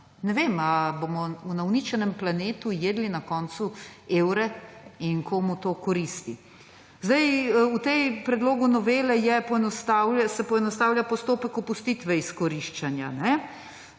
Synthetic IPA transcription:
nɛʋemaboːmɔunawnit͡ʃɛnɛmplaneːt̪ujeːd̪linakɔːnt̪sueːwɾɛiŋkʰomut̪oːkɔɾist̪i | zd̪ajut̪empɾɛd̪loːɡunɔʋeːlɛjɛpɔɛnɔst̪aːwlʲasɛpɔɛnɔst̪aːwlʲjapɔst̪oːpɛkɔpust̪it̪ʋɛiskɔɾiʃt͡ʃanja̰nɛ

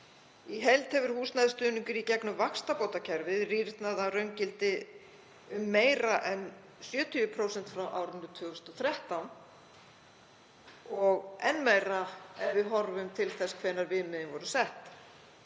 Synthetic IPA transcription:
iɦɛlt̪hɛvʏɾ̥huːsnaðɪst̪ʏːniɲcʏɾicɛknʏvakst̪apoːwt̪acʰɛɾvɪðrirt̪naðarœɥŋcɪlt̪ɪ | ʏmːeːjɾaʔɛn | sjœːt̪ʰiʏpʰɾoːwsɛnt̪fɾawʔa̰ːwɾʏnd̪ʏ̥ɾt̪ʰvʏːɣʏst̪ɔθɾɛht̪an | ɔɣɛnːmeːjɾaɛvɪðɦɔɾvʏmt̪ʰɪlθɛskʰvɛnːaɾvɪðmɪðɪnvɔɾʏsɛht̪

